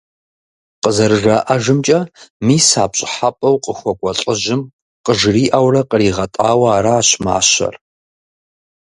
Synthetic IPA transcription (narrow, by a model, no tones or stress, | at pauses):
qəzɐɾɨʐaʔɐʒɨmt͡ʃʼɐmiːsaːpɕʼɪħapʼɐwqʼəxʷɔkʷʼɔɬʼɪʒɪm | qəʒriːʔɐwrɐqəriːʁɐtʼaːwɐaːɾɐaːɕma̰ːɕɐ̰r